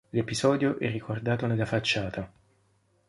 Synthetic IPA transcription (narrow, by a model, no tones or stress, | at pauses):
lepizɔːd̪joʔɛrːikʰord̪aːt̪onelːafat͡ʃːaːt̪a